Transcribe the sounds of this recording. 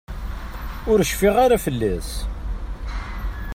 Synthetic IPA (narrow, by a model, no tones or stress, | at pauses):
ʊɾəʃfiʁaɾafəlːæs